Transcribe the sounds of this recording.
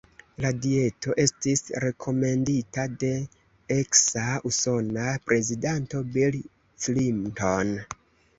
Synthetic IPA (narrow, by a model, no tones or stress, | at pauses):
ladie̞to̞ʔe̞stisɾe̞kʰo̞me̞nditade̞ | eksauso̞napɾe̞zidanto̞bil | slimto̞n